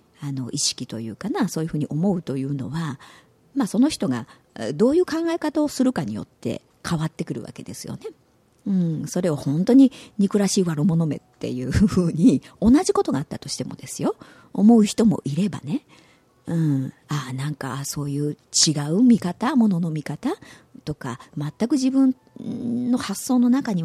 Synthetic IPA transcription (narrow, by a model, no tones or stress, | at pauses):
ano̞̰ʔiɕi̥kʲit̪o̞̰jɯ̟̰ːkanaso̞ːjɯ̟ɸɯ̟ːɲ̟iʔo̞mo̞ɯ̟t̪o̞jɯ̟ːno̞̰βa | maso̞no̞çi̥t̪o̞ɡa̰ | d̪o̞ːjɯ̟ːkãŋɡaekat̪ao̞sɨɾɯ̟kaɲ̟ḭjo̞̰t̪ːe̞̰ | kʰaβat̪ːe̞kɯ̟ɾɯ̟βa̰ke̞̰d̪e̞sɨjo̞̰ne̞ | ɯ̟̃ɴso̞ɾe̞o̞hõ̞nt̪o̞ɲ̟iɲ̟ikɯ̟ɾaɕiːβaɾɯmo̞no̞me̞̰t̪ːe̞̰jɯ̟ːɯhɯːɲ̟io̞naʑiko̞t̪o̞ɡaːt̪ːat̪o̞̥ɕi̥t̪e̞mo̞d̪e̞sɨjo̞ː | mo̞ɯ̟çi̥t̪o̞mo̞̰ʔiɾe̞ba̰ne̞ | ɯ̟̃ | anãŋka̰so̞ːjɯ̟ː | t͡ɕiɡaɯ̟mʲikat̪amo̞no̞no̞mʲikat̪a | t̪o̞ka̰mat̪ːakɯ̟ʑibɯ̟̃n | no̞hasːo̞ːno̞nakaɲ̟i